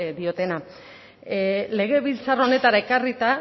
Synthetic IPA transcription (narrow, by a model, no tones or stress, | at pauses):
d̪io̞t̪e̞na | le̞ɣ̞e̞βilt͡sarone̞t̪aɾae̞karit̪a